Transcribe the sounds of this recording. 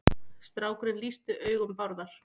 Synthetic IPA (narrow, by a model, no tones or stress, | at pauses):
st̪ɾaːwkɾɪnlist̪ʏʔœːɥɣʏmpaɾðaɾ̥